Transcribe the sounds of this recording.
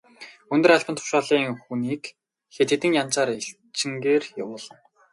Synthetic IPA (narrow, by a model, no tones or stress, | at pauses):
ɵnt̪ɵ̆raɮpə̆nt̪ʰʊ̥ʃaːɮiːŋxuniːk | xet̪ʰet̪ɘ̆ŋjant͡saːɾiɬ | t͡ɕɪ̆ŋɡeːrjawʊːɮə̆n